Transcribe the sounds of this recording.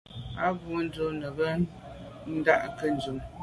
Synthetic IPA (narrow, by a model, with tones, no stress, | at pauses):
a˦ɡu˨˦n̩˦do˦nə˨bə˦ | n̩˦da˦ʔkə˦n̩˨d͡ʒu˨m